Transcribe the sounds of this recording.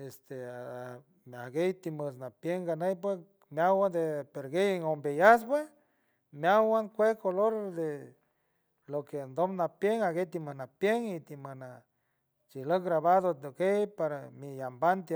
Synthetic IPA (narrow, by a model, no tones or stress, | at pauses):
est̪e | maɡejt̪iməsnapjeŋɡanejp̬we | mjawad̪epeɾɡejeŋombejas̬pwe | mjawaŋkʷekoloɾd̪e | lokend̪omnapjeŋaɡejt̪imənapjeŋit̪iməna | t͡ʃiləɡɾaβaðod̪okejpaɾamijambant̪